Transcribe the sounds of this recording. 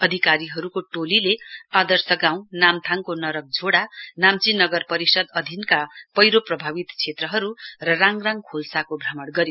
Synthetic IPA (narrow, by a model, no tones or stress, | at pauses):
ʌd̪ʱikaɾiɦʌɾukoʈolilead̪ʌrsʌɡãw̃namt̪ʰaŋkonʌɾʌk̚d͡zʱoɽanamt͡sinʌɡʌrpʌɾisʌd̪ʌd̪ʱinkapʌjɾoprʌbʱabit̪t͡sʰet̪rʌɦʌɾurʌraŋraŋkʰolsakobʱɾʌmʌɽɡʌɾje